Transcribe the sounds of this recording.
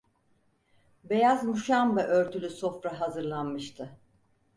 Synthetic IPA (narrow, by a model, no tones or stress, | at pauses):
be̞jazmuʃambɛʔøɾt̪ʰylʲyso̞fɾaɦazɯɾlˠanmɯʃt̪ʰɯ